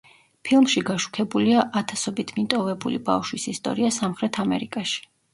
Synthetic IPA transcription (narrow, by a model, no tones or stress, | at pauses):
pʰilˠmʃiɡaʃu̥kʰɛbuliaʔat̪ʰasɔbit̪ʰmit̪ʼɔvɛbṵlḭba̰fʃwisist̪ʼɔ̰ɾiasamχɾɛt̪ʰamɛ̰ɾikʼaʃi̥